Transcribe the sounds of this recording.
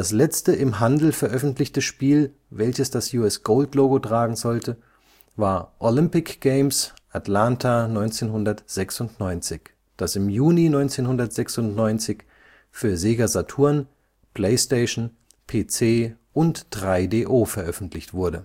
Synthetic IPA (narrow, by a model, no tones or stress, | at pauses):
d̥aslɛt͡stəɪmɦandl̩fɛɐʔœfn̩tlɪçtəʃpiːl | vɛlçəsd̥asjuːɛsɡ̥oːltloːɡotʁ̥aːɡŋ̩zɔltʰə | vaːɐʔolɪmpɪkɡ̥eɪmsʔatlantʰanɔʏnt͡seːnɦʊndɐtz̥ɛksʊntnɔʏnt͡sɪç | d̥asɪmjuːninɔʏnt͡seːnhʊndɐtz̥ɛksʊntnɔʏnt͡sɪç | fyːɐzeːɡazatʰuːɐn | pʰleɪsteɪʃn̩ | pʰeːt͡seːʔʊntd̥ʁaɪdeːʔoːfɛɐʔœfn̩tʰlɪçtv̥ʊɐdə